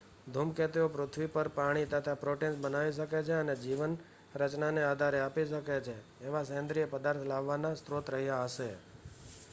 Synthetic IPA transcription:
d̪ʱumket̪iopɾʊt̪ʰʋipəɾpaɽ̃it̪ət̪ʰapɾoʈensbənaʋiʃ̬əket͡ʃʰeəned͡ʒiʋən | ɾət͡ʃnanead̪ʱaɾeapiʃəket͡ʃʰeːʋasə̃nd̪ɾiepəd̪aɾt̪ʰlaʋːanast̪ɾot̪ɾəɦjaəʃe

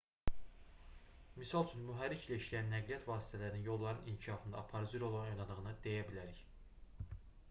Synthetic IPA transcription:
misɑlˠt͡ʃʰynmyɦæɾːiclæiʃlæjænːæɡlijæt̪vɑːsi̥t̪ʰælæɾininjo̞lˠːɑɾɯnincʰiʃɑːfɯnd̪ɑ̰ːpʰɑɾɯd͡ʒɯɾo̞lˠɑnojnɑd̪ɯʁɯnɯd̪e̞jæbilæɾiç

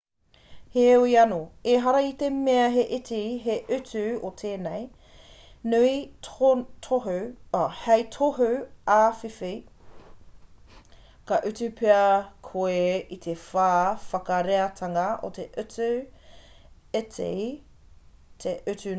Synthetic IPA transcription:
heoiɐnoeɦɐɾɐit̪emeɐɦeʔetiɦeʔʉtʉotʰeːnej | nʉi | tʰoɦhɛjtʰoɦʉafifi | kɐʔʉtʉpʰeɐkʰoeit̪ʰefaːfɐkɐɾeɐt̪ʰɐŋɐʔo̰t̪ʰeʔʉtʉ | etʰḛj | tʰeʔʉtʉ

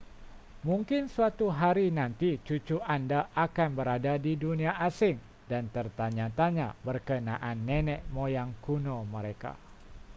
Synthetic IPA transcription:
muŋkɪnsuat̪uɦaɾinant̪it͡ʃut͡ʃuʔandaʔakanbəɾadadiduniaʔasɪŋ | dant̪ərt̪aɲat̪aɲabərkənaʔanːɛnɛʔmojaŋkunoməɾeka̰

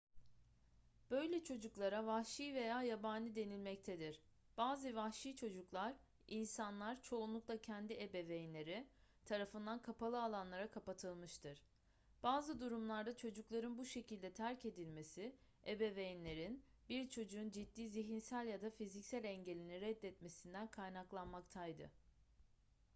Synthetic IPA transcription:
b̥ø̞jlʲɛt͡ʃʰo̞d͡ʒuklˠaɾavahʃijve̞jaːjabaːnʲid̪e̞nilʲmɛc̚t̪ʰɛd̪iɾ̥ | b̥aːzɯvahʃiːt͡ʃʰo̞d͡ʒuklˠaɾ | insanlˠaɾt͡ʃʰo̞unlˠuklˠacʰɛnd̪iebevejinlʲe̞ɾit̪ʰaɾafɯnd̪ankʰapalˠɯalˠanlˠaɾakʰapat̪ʰɯlˠmɯʃt̪ʰɯɾ̥ | b̥aːzɯd̪uɾumlˠaɾd̪at͡ʃʰo̞d͡ʒuklˠaɾɯnbuʃe̞cilʲd̪ɛt̪ʰæɾce̞d̪ilʲme̞si | ebevejinlʲe̞ɾin | biɾt͡ʃʰo̞d͡ʒuːnd͡ʒid̪ːiːziɦinsælʲjad̪afizicsælʲɛɲɟe̞lʲiniɾɛd̪ːɛt̪me̞sind̪ænkʰajnaklˠanmakt̪ʰajd̪ɯ̰

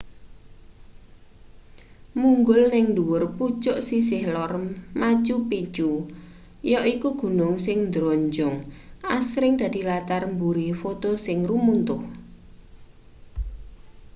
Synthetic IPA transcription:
muŋɡʊlnɪŋnd̪uwʊrput͡ʃʊʔsis̬ɪhlɔrmat͡ʃupit͡ʃu | jɔʔikuɡ̥ṳnʊŋsɪŋnd̪ɾɔɲd͡ʒʊŋasɾɪŋd̪̥ä̤d̪̥i̤lat̪armbuɾifot̪osɪŋrumunt̪ʊh

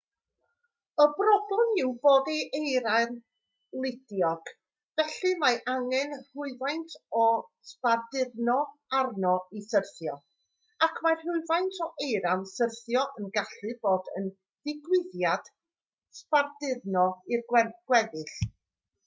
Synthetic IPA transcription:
əbrɔblɛmɪwboːdeʔejɾan | lˠɪdjɔɡ̥ | vɛɬɨmaʔaŋɛnr̥ʊɨvajntʰɔ | spardɪrnɔarnɔisərθjɔ | akʰmarrʊɨvajntʰɔʔejɾansərθjɔʔənɡaɬɨboːdə̰n | d̥ɪɡwɪðjad̥ | spardɪðnɔirwɛɡ̥wɛðɪɬ

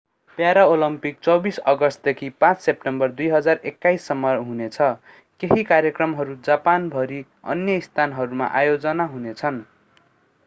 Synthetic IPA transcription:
pjaɾaolʌmpik̚t͡sʌbisʌɡʌst̪̚d̪ekʰipãt͡ssep̚ʈembʌrd̪ujɦʌd͡zarekːajsːʌmːʌɦunet͡sʰʌ | keɦikarjʌkrʌmɦʌɾud͡zapanbʱʌɾi | ʌ̰njʌist̪ʰanɦʌɾuma̰ʔajod͡zʌnaɦunet͡sʰʌn

